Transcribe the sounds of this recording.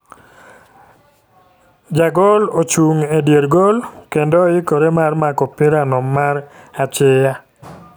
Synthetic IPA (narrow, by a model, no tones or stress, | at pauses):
d͡ʒaɡɔlot͡ʃuŋedjeɾɡolkendɔɪkoɾemarmakɔpɪɾanɔmːaɾat͡ʃɪja